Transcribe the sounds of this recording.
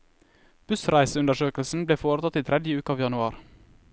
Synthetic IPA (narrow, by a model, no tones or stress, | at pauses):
b̥ʉsɾæɪsəʉnd̪əʃøːkl̩sn̩bleːfoːɾət̪ʰɑt̪iːt̪ʰɾɛd̪jəʉːkəɑːʋjɑnʉɑːɾ